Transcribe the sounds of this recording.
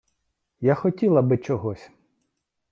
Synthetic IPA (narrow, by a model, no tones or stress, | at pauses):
jaxɔtʲilˠɐbɪt͡ʃɔɦɔsʲ